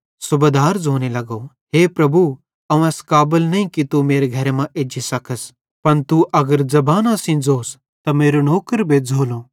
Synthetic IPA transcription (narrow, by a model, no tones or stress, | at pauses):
sʊbed̪aːɾd͡zʱoːnelɐɡo | ɦeːpɾɐbʱu | ɐũɛːskaːbəlnɐĩkit̪umeːɾeɡʱɐɾemãʔeːd͡ʒisɐkʰəs | pɐnt̪uʔɐɡəɾzɐbaːnasĩd͡zoːs | t̪ɐmeːɾonoːkəɾbʱed͡zʱoːloː